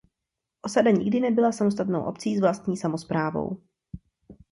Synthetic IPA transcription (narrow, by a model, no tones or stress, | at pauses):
ʔo̞sadaɲɪɡdɪnɛbɪlasamos̬t̪at̪no̰wʔo̞̰p̚t͡siːzvlast̪ɲiːsamo̞spɾaːvo̞̰w